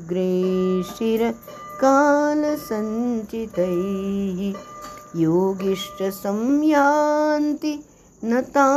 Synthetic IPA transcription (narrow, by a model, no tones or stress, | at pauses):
ɡɾeːʂiɾɐ | kaːlɐsɐɲt͡ʃit̪ɐjɦijoːɡiʂʈɐsɐmjaːnt̪i | nɐt̪aː